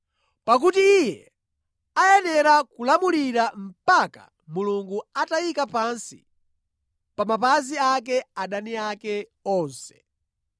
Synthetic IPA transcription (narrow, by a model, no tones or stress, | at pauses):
pak̬utiijɛ | ajɛnɛɾakulamuliɾam̩paka̰ | muluŋɡuatajikapansi | pamapaziak̬ɛaɗaniakɛɔːnsɛ̥